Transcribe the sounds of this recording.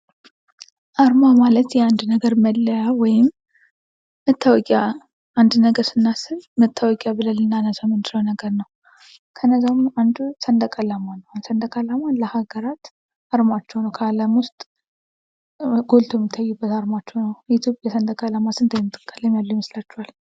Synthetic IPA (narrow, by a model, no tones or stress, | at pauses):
ʔaɾmamalət̪jɛand̪nəɡəɾməlːəjawɔjɪmː | ət̪ʰːawɔkʼja | and̪nəɡəɾsɨnːasɨlmət̪ʰːəwɔkʼjabɨləlɨnːanːəzamɨnd͡ʒ̪ʼɾəwnəɡəɾnəw | kʰənːəzawmand̪usənd̪əkʼalamanəwansənd̪əkʼalamanləhaɡəɾat̪ | aɾmat͡ʃːɛwnəwkʰaləmwʊst̪ʼ | ɡo̞lt̪ʰoɛmit̪ʰːajːubːət̪aɾmat͡ʃːɛwnəwit̪ʰjopʼjɛsənd̪əkʼalamasɨnd̪ʰəjmt̪ʼːɨ̥kʼːələmjalːujməslat͡ʃːɛwal